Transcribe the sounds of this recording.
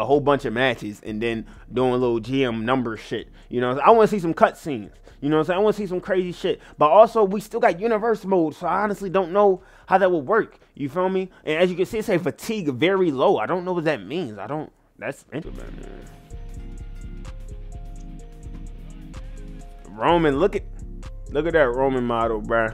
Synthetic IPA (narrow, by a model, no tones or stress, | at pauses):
əɦoʊlˠbʌ̃nt͡ʃʌvmæt͡ʃɪzɨ̰̃nðɨ̃n | duɪ̃ŋəlɪɾl̩ˠd͡ʒiɛ̃mnʌ̃mbə˞ʃɪt̚ | jɨñoʊsaɪwɑ̃nɨs̬is̬ʌ̃mkʰʌtsĩnz̥ | jɨnoʊsoaɪw̃nəs̬is̬ʌ̃mkʰɹ̥eɪziʃɪt̚b̥ʌɾɔlˠsoʊwistɪlˠɡɑt̚jʉnɨvɜ˞smoʊd̥soʊaɪɑnɨstˡlidõʊ̃nːoʊ | haʊðɨt̚wəd̚wɜ˞k | jɨfɛ̃miʔɨ̃nɨzjɨkɨdsiɨtseɪfɨtʰiɡvɛɹiloʊaɪdɾõʊ̃nːoʊwʌt̪̚ðɨt̚mĩnzaɪɾõʊ̃n | ðætsʔɪ̰̃m̰n̰ | ɹõʊ̃mɨ̃nlʊkɨt̚lʊkɨɾ̚ɨt̚ɹõʊ̃mɨ̃nmɑɾl̩ˠbæ